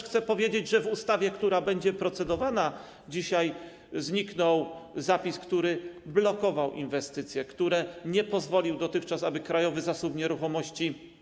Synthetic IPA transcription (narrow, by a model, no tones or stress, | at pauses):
xt̪sɛpɔvʲjed͡ʑed͡ʑʐɛvust̪avʲjɛkt̪uɾabɛɲd͡ʑɛpɾɔt̪sɛd̪ɔvana | d͡ʑiɕaj | zɲiknɔwzapʲiskt̪uɾɘblɔkɔvawʔḭnvɛst̪ɘt̪sʲjɛkt̪uɾɛɲɛpɔzvɔlʲiwd̪ɔt̪ɘxt͡ʂasabɘkɾajɔvɘzasupɲɛɾuxɔmɔɕt͡ɕi